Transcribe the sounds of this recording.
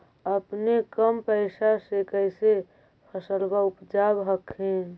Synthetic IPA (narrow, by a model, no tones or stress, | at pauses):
əpnekəmpəɪsasekəɪse | pʰəsəlbaupd͡ʒabɦəkʰẽ